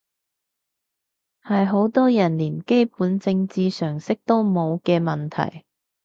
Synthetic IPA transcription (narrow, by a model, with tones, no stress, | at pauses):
hɐ˨jɦo˨˥wt̪ɔː˥jɐ˨˩nliː˨˩nke˥jpuː˨˥nt͡sɪ˧ŋt͡siː˧sœː˨˩ŋsɪ˥k̚t̪o˥wmo˨˧wkɛː˧mɐ˨nt̪ʰɐ̰˨˩j